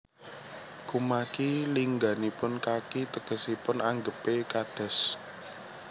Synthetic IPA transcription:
kumakiliŋɡa̤nipʊnkakit̪əɡ̥ə̤sipʊnaŋɡəpekad̪̥ɛ̤s

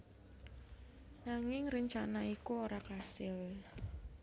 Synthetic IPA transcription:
naŋɪŋrəɲt͡ʃanaikuoɾakasɪl

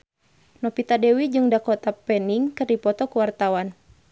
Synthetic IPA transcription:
nɔpit̪adɛwid͡ʒɨŋdakɔt̪apɛniŋkɨrdipɔt̪ɔkuwart̪awan

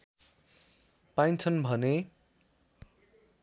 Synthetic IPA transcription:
pajnt͡sʰʌnbʱʌne

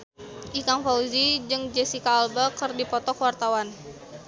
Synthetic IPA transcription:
ʔikaŋfauzid͡ʒɨŋd͡ʒɛsikaːlbakərdipɔt̪ɔkwart̪awan

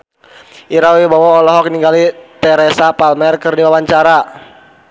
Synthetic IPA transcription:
ʔiɾawibawɔːlɔɦɔk̚niŋɡalit̪ɛɾɛsapalmɛrkɨrdiwawaɲt͡ʃaɾa

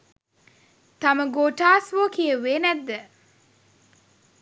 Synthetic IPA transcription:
t̪ɐməɡoːʈaːsʋoːkijəʋeːnæd̪ːə

